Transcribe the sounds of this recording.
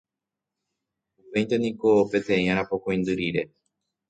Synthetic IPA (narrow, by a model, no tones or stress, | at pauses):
upẽ̞j̪t̪enikope̞t̪ẽ̞ĩãɾapokoj̃nd̪ɨɾiɾe̞